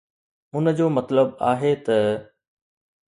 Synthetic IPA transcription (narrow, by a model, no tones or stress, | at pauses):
ʊnəd͡ʑoːmɐt̪ləbaːɦet̪ɐ